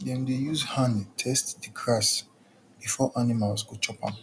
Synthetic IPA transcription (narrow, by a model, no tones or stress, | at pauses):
dɛ̃mdejuzhãnitʰɛstdikʰɹas | b̥ifɔʔanimalsɡot͡ʃʰɔpã̰m